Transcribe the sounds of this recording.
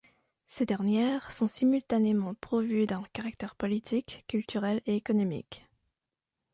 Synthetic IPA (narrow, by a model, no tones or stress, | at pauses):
sed̪ɛʁnjɛːʁsɔ̃simylt̪anemɑ̃pχɔvyd̪ɛ̃kaʁak̚t̪ɛʁpɔlit̪ʰikʲːylt̪yʁɛleekɔnɔmḭk